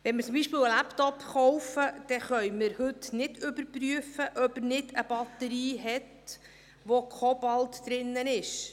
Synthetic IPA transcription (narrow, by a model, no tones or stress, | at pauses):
ʋɛnməɾt͡sʊmbiːʃpeːləlæpt̪ɔpχɔwfəd̥ɛχœʏmɪɾhɵt̪nɪd̥ʏbəɾpryəfəʔœbəɾnɪdəb̥ɑt̪əɾiːɦɛt | ʋokʰob̥ɑlˠt̪d̥̪ɾɪnːənɪʃ